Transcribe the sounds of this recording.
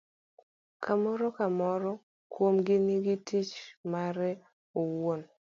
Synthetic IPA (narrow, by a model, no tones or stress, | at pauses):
kʰamɔɾɔkamɔɾɔ | kwomɡɪniɡitit͡ʃmaɾɛ | owon